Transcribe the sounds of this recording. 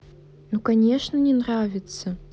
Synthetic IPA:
nukɐnʲeʂnɐnʲɛnravʲɪt̪sɐ

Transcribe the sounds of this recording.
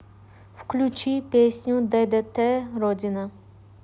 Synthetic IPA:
fklʲut͡ʃʰipeːsnʲũd̪ɛd̪ɛt̪ːɛɾodina

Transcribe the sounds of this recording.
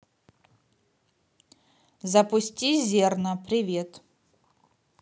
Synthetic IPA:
zɐpusʲtʲizʲernɐpɾʲivʲet̪

